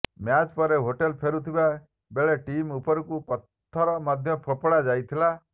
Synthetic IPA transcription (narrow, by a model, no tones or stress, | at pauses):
mjat͡ʃpɔɾeɦoʈelpʰeɾut̪ʰiba | beɭeʈimupɔɾɔkupɔt̪ʰːɔɾɔmad̪ʱjɔpʰɔpɔɽad͡ʒajt̪ʰila